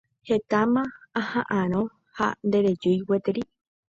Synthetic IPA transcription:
het̪amãahãʔãɾ̃õ | ha̰nd̪eɾed͡ʒujwet̪eɾi

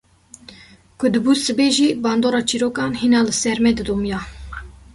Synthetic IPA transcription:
kʰʊd̪ɨbusɨbeːʒiːbɑːnd̪oːɾɑːt͡ʃʰiɾoːkɑːnhinɑːlɨsɛɾmɛd̪ɨd̪oːmjɑː

